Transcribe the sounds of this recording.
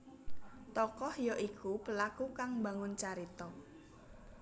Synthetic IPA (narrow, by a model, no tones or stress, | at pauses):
t̪ɔkɔhjɔʔikʰupəlakukaŋmba̤ŋʊnt͡ʃaɾit̪ɔ